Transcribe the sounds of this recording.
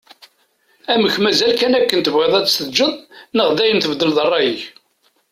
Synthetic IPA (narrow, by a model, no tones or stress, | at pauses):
æməçmæzælkænækːənt̪əvʁɪðˤæt͡sːst̪əd͡ʒəðˤnəʁðæjənθəvd̪əlðˤərˤːɑjiç